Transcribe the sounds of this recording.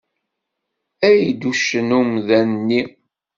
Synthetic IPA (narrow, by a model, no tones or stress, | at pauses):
æjd̪uʃənumðænːi